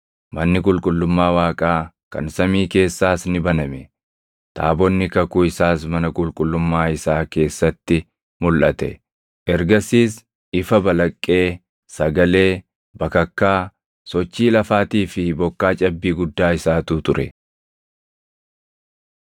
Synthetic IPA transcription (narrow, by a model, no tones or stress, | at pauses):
mɐnːɪkʼʊlkʼʊlːʊmːaːwaːkʼaː | kɐ̰nsɐmiːke̞ːsːaːsnɪbɐnɐmɛ | t̪ʰa̰ːbɔnːɪkɐkʊɪsaːsmɐnɐkʼʊlkʼʊlːʊmːaːɪsaːke̞ːsːɐt̪ːɪ | mʊlʔɐt̪ɛ̰ | ʔɛɾɡɐsiːs | ɪfɐbɐlɐkʼːe̞ː | sɐɡɐle̞ː | bɐkɐkːaː | sɔt͡ʃːiːlɐfaːt̪iːfɪbɔkːaːt͡ʃʼɐbːiːɡʊd̪ːaːɪsaːt̪ut̪ʊɾɛ